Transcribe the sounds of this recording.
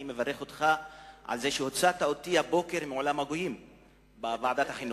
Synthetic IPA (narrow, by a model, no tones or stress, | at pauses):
ime̞vaʁe̞χo̞t̪χaʕa̰lzeʃeho̞t͡sat̪ao̞t̪ihabo̞ke̞ʁmeolamhaɡojim | bavaʕad̪at̪haχinu